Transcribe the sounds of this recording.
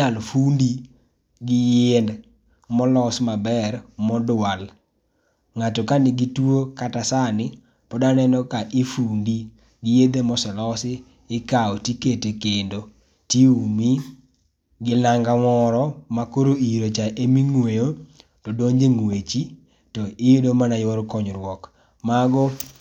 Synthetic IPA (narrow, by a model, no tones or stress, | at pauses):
alfundi | ɡɪjɪnd | mɔlɔsmabɛɾmɔdwal | ŋatɔkanɪɡitwokatasanɪ | pɔdanɛnɔkaʔɪfundi | ɡɪjed̪emɔsɔlɔsɪ | ɪkaɔtiketekendo | tiumi | ɡɪlaŋɡamɔɾɔmakoɾoiɾot͡ʃaʔemiŋwejo | tɔdoɲd͡ʒeŋwet͡ʃi | tɔɪedomanajoɾkɔɲɾwɔk | maɡɔ